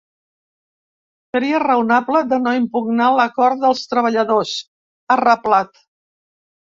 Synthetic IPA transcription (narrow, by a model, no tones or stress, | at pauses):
səɾiərəunapləðənoimpuɡnaləkɔɾt̪̚ðəlˠst̪ɾəβ̞əʎəðos | ərəplat̪